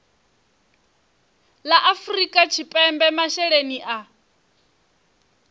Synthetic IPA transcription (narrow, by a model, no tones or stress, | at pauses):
laʔafrikʼat͡ʃʰipʼɛmbɛmaʃɛɺeniʔa